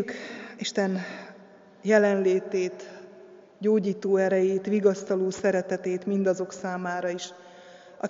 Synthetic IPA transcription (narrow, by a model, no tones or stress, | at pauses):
kiʃt̪ɛn | jɛlɛnleːt̪eːt̪ | ɟoːɟiːt̪oːɛɾɛjeːt̪ʋiɡɒst̪ɒloːsɛɾɛt̪ɛt̪eːt̪mind̪ɒzo̞ksaːmaːɾɒiʃ | ʔɒ̰